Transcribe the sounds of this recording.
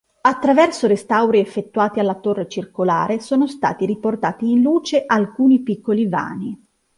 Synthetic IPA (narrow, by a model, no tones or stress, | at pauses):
at̪ːɾavɛrsoɾest̪awɾiefːet̪ːuaːt̪ialːat̪orːet͡ʃirkola̰ːɾesoːnost̪a̰ːt̪iɾiport̪aːt̪iːnluːt͡ʃeʔalkuːnipikːoliva̰ːni